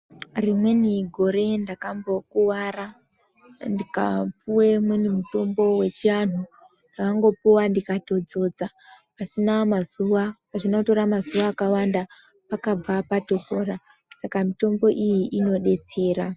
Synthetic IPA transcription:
rimwe̞niɡʱo̞ɾe̞ndakambo̞kuwara | ndika̰puwemwenimuto̞mbo̞we̞t͡ʃianu | ndakaŋɡo̞puwandikato̞d͡zo̞d͡za | pasinamazuʋapaʐinauto̞ɾamazuʋaːkawanda | pakab͡vapato̞ko̞ːra | sakamito̞mbo̞ʔijiʔino̞ɗe̞t͡se̞ːɾa

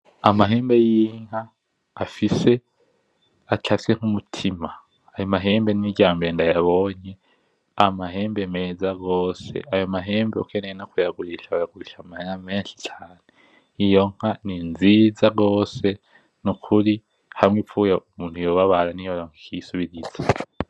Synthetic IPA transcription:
amaɦeːmbe̞jiːŋ̥haː | fise̞ | atʰafi̥seŋ̥humutʰimaː | jo̞maɦe̞ːmbeniɟaːmbendajaβo̞ːɲe̞ | amaɦe̞ːmbe̞meːzaɡo̞ːsḛʔajo̞maɦe̞ːmbekʰenenakujaɡuɾiʃaβajaɡuɾiʃamaheŋameːnʃi̥t͡ʃʰaːne | ijo̞ŋ̥haninziːzaɡo̞ːse̞ | nukʰuɾi | hamŋepfujaumuːnthujo̞βaβaɾanijoɾoŋikisuβiɾiza

